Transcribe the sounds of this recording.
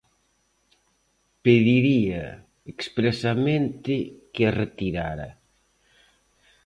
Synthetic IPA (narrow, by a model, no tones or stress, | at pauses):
peðiɾia̰ | ekspɾesamẽnt̪ɪkeret̪iɾaɾɐ̰